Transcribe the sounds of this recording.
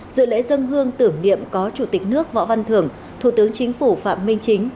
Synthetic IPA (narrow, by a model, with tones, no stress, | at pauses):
zɨ̰˧˨lḛ˧˥zə˧nɦɨ˧əŋt̪ɨ˧˩əŋnḭ˧˨əmkɔ˨˦t͡ɕu˧˩t̪i˨˩k̟̚nɨ˦˥ək̚vɔ̰˧˥va˧nt̪ʰɨ˧˩əŋ | t̪ʰu˧˩t̪ɨ˨˦əŋt͡ɕï˨˦ŋ̟fu˧˩fa̰ː˧˨mmï˧ŋ̟t͡ɕi˨˦ŋ̟